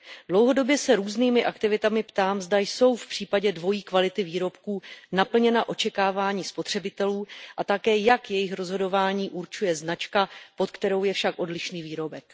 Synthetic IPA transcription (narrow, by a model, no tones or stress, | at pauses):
d̥lo̞wɦo̞do̞bjɛsɛɾuːzniːmɪʔakt̪ɪvɪt̪amɪpt̪aːmzdajso̞wfpr̥iːpaɟɛdvo̞jiːkvalɪt̪ɪviːɾo̞pkuːnapl̩ɲɛnaʔo̞t͡ʃɛkaːvaːɲiːspo̞t̪r̝̥ɛbɪt̪ɛluːʔat̪akɛːjakjɛjɪxɾo̞zɦo̞do̞vaːɲiːʔuɾt͡ʃujɛznat͡ʃkapo̞t̪kt̪ɛɾo̞wjɛfʃakʔo̞dlɪʃniːviːɾo̞bɛk